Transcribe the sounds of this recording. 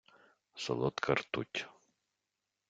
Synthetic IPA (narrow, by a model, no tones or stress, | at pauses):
sɔ̰lˠɔt̪kʰɐrt̪utʲ